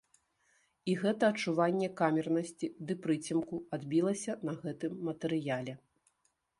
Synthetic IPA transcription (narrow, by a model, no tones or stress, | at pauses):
iɣɛt̪ɐːt͡ʂuvanʲːɛkamʲɛrnɐsʲt͡sʲid̪ɨpɾɨt͡sʲimkuad̪bʲilˠɐsʲɐnɐɣɛt̪ɨmːɐt̪ɛɾɨjalʲɛ